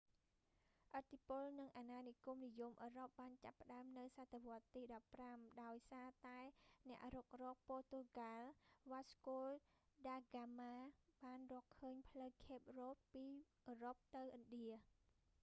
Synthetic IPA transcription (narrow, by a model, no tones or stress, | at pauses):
ʔət̪ʰːipʊlnɨŋʔaːnaːnikumnijumʔəːrop̚ɓaːnt͡ɕapːə̆ɗaəmnɨwsat̪ʰːeʋŏət̪ːiːɗɑpːramɗaɔjsaːt̪aɛnɛ̆əʔrɔːk̚rɔːk̚poːt̪oɡalʋaːskoːlɗaːɡaːmaːɓaːnrɔəkʰːəːɲpʰləwkʰeːp̚rɔːt̪̚piːʔəːɾop̚t̪ɨwʔənɗiə